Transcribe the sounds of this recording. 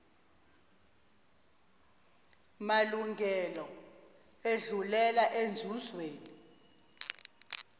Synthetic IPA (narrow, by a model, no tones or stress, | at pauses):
maluŋɡʱɛlɔ | eɮulɛlaʔend͡zʱuzweːni